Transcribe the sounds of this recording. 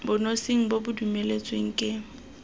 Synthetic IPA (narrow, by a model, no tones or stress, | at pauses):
bʊnosiŋ̩bobʊdumelet͡sʼweŋ̩kʼɪ